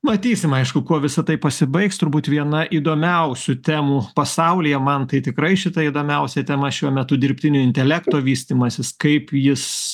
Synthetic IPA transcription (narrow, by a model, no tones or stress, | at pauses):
mɐt̪ʲiːsʲɪmɐɪʃkʊkuɔʋʲɪsɐt̪ɐɪpɐsʲɪbɐɪkst̪ʊɾbuːt̪ʋʲiɛnɐʔiːd̪oːmʲɛʊsʲʊt̪ʲæːmupɐsɐʊlʲijɛmɐnt̪ɐɪt̪ʲɪkɾɐɪʃʲɪt̪ɐid̪oːmʲɛʊsʲɛt̪ʲɛmɐʃʲuɔmʲɛt̪ʊd̪ʲɪɾʲpʲt̪ʲɪnʲʊɪnʲt̪ʲɛlʲæːkt̪oːʋʲiːsʲt̪ʲiːmɐsʲɪskɐɪpjɪs